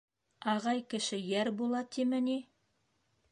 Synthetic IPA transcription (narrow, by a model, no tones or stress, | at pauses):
ɑʁɑjkɘ̆ʃɘjæɾbulˠɑt̪imɘ̆ni